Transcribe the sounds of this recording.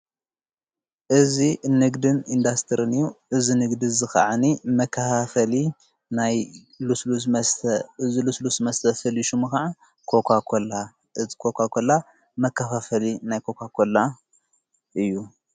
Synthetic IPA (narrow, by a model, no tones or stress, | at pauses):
ʔɨzinɨɡd̪ɨnind̪ast̪ʰɨɾɨnɨjuʔɨzinɨɡd̪izɨxa̰ʕanimɐkʰːɐfafɐli | naj | lslusʰziluslusmɐst̪ʰɐfɐliʃumɨxaʕa | kʰo̞kʰakʰola | ʔɨzi̥kʰokʰakʰola | mɐkʰːɐfafɐlinajkʰo̞kʰakʰola | ʔɨjːu